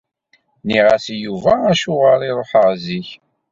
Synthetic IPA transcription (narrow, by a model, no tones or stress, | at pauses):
niʁæsjuvææʃʊʁaliɾˤoħəʁziç